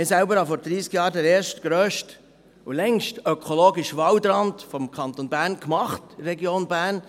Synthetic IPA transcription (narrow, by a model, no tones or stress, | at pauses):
ɛsæʊbəɾhɑfɔɾd̪ɾiːskjɑːɾdɛɾɛːɾʃtɡ̥ɾøːʃt | ulɛŋʃtøœkʰoloːɡɪʃʋɑwd̪ɾɑntfɔmkʰɑnt̪ɔnbæːɾnkmɑχtrːɛɡjoːnbæːɾn